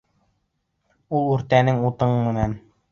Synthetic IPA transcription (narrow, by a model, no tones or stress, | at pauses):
ulˠʉɾt̪ænɘŋut̪ɤɴmɘ̆næn